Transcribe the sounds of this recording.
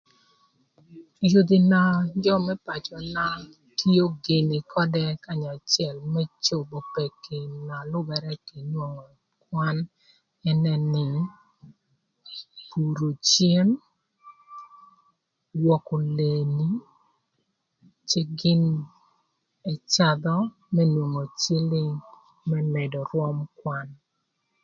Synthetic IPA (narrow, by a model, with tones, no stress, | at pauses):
jo˨d̪i˨na˨d͡ʒɔ˦mɛ˦pa˨t͡ʃɔ˨na˦ | tʰi˦o˦ɡɪ˨nɪ˨kʰɔ˦dɛ˦ka˦˨ɲa˨t͡ʃjɛ˨lmɛ˦t͡ʃo˨bo˨pɛ˨kːɪ˨na˨lʊ˦bɛ˨ɾɛ˦ki˨n˦ɔ˨ | kwa˦n | ɛ˦nɛ˦nɪ˨ | ku˨ɾo˨t͡ʃje˦n | wɔ˨ko˨le˨ni˦ | t͡ʃe˦ɡɪ˦n | ɛ˨t͡ʃa˦d̪ɔ˦ | mɛ˦nwo˨ŋo˨t͡ʃi˦lɪ˦ŋ | mɛ˦mɛ˨dɔ˨ɾwɔ˦mkwa˦n